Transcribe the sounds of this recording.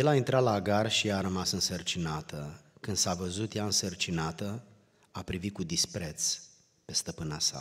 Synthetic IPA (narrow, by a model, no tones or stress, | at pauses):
je̞laint̪ɾat̪laːɡarʃiaɾəmasɨnsərt͡ʃinat̪ʰəkɨnd̪savəzut̪jaɨnsərt͡ʃinat̪ə | apɾivit̪̚kud̪ispɾe̞t̪s | pe̞st̪əpɨnasa̰